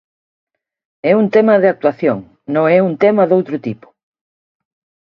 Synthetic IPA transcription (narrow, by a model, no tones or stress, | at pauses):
ɛunt̪ɛmɐðɪak̚t̪waθjoŋ | nõŋɛuŋt̪ɛmɐðowt̪ɾʊt̪ipʊ̥